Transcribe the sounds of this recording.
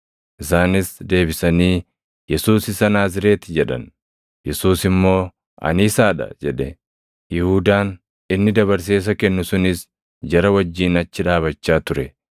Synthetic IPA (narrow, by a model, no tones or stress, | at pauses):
ʔɪsaːnɪsd̪e̞ːbɪsɐniː | jɛsuːsɪsɐnaːs̬ɪɾe̞ːt̪ɪd͡ʒɛᶑɐ̰n | jɛsuːsɪmːo̞ː | ʔɐ̰nɪːsaːᶑɐ̰d͡ʒɛᶑɛ | jɪhuːd̪aːn | ɪnːɪd̪ɐβɐɾs̬e̞ːs̬ɐkɛnːʊsʊnɪs | d͡ʒɐɾɐwɐd͡ʒːiːnɐt͡ʃːɪᶑaːβɐt͡ʃːaːt̪ʊɾɛ